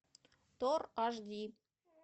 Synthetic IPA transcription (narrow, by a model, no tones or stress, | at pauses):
t̪orɑʒd̪i